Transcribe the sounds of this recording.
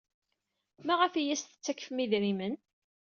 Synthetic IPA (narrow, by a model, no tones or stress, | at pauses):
mæʁəfijæst̪ə̥t͡sːækːə̥fmiðɾimən